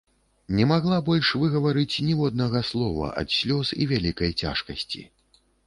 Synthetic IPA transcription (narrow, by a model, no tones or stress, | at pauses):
nʲɛmaɣlˠabɔlʲʂvɨɣɐvaɾɨt͡sʲnʲivɔd̪̚nɐɣɐslˠɔvɐ̰ʔɐ̰t̪sʲlʲɔsḭvʲalʲikɐjt͡sʲa̰ʂkɐsʲt͡sʲḭ